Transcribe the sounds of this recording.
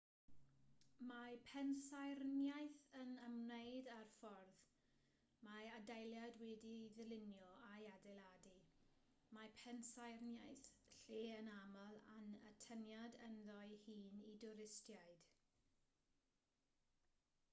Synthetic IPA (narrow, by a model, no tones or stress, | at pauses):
mapʰɛnsajrnjajθənəmnejdarfɔrð | maadajlˠjadwɛdiðəlɪnjɔajadɛlˠadi | mapʰɛnsajrnjajθɬeːənamalˠa̰nətʰənjadənðɔɨhiːnidʊɾɪstjajd̥